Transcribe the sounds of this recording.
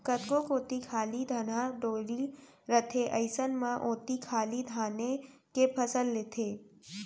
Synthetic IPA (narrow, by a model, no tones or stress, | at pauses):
kət̪kokoːt̪ikʰaːlid̪ʱɐnaɖoːɽi | ɾət̪ʰeʔəɪsənmãʔoːt̪ikʰaːlid̪ʱaːne | kepʰəsəlːeːt̪ʰeː